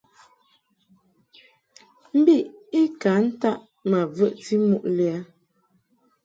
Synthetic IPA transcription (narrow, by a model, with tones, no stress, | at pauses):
m̩˦bi˦˨ʔi˦ka˨˦n̩˦ta˦ʔ | ma˨və˦˨ʔti˦mu˦˨ʔlɛ˨˦a˦